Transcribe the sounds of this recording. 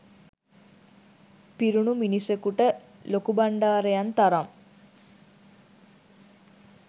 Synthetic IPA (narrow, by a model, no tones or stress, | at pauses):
piɾuɳuminisekuʈə | lokubaɳɖaːɾejant̪aɾam